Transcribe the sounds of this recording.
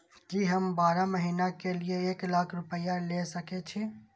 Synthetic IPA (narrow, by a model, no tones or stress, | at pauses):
d͡ʒiːɦəmbaːɾaməɦiːnakelieeːklaːkʰɾʊpəjalesəket͡ʃʰi